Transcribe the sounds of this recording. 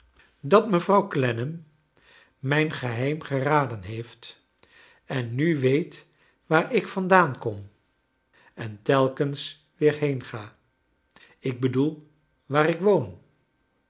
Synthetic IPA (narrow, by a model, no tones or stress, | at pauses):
dɑtməvrɑwklɛnəmː | ɛjnχəɦɛjmχəraːdənɦejft | ɛnːyʋejt | ʋaːɹʔɪkfɑndaːnkɔm | ɛntɛlˠkəns | ʋɪːɹɦejnχaː | ɪɡ̚bədulˠ | ʋaːɾɪkʋown